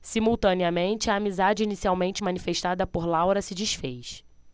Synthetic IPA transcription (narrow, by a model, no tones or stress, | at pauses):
simuwt̪ɐ̃niɐmẽnt͡ʃɪɐːmizad͡ʒɪinisiawmẽnt͡ʃɪmɐ̃nifeʃt̪ad̪ɐpoɾlawɾɐsɪd͡ʒiʃfejs